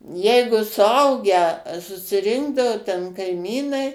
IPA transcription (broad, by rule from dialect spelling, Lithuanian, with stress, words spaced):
ˈjɛɪɡʊ sʊˈɐʊɡʲæː sʊsʲɪˈrʲɪŋɡdɐʋoː tʲɛn kɐɪˈmʲiːnɐɪ